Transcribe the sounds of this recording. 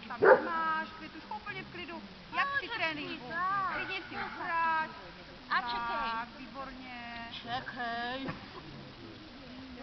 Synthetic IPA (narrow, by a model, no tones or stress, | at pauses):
t̪amaʃɛt̪uʃkoupl̩ɲɛfklɪdu | jaksɪt̪ɾɛːniklɪdɲɛsɪoɾat | ʔat͡ʃɛkalɪaviːboɾɲɛt͡ʃɛkɦɛj